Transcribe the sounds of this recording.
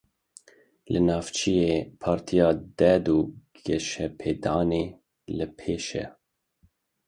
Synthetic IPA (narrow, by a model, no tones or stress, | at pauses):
lɨnɑːft͡ʃʰijeːpʰɑːɾt̪ʰijɑːd̪ɛd̪uɡɛʃɛpʰeːd̪ɑːneː | lɨpʰeːʃɛ̰